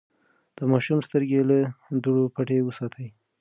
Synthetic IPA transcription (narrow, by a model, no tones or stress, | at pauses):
d̪̥əmɑʃumst̪əɾɡelad̪uɽopaʈewəsɑt̪ʰəj